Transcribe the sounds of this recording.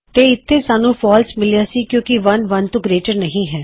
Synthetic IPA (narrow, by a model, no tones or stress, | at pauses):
t̪eːɪt̪ʰːeːsaːnũːpʰɔːlsmɪlijaːsiːkjõːkɪʋənʋənt̪uɡɾeːt͡ʃəɾnəɦĩːɦɛː